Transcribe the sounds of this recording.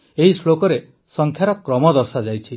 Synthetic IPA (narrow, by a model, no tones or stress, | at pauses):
eɦislokɔɾe | sɔŋkʰjaɾɔkɾɔmɔd̪ɔɾsad͡ʒajt͡ʃʰi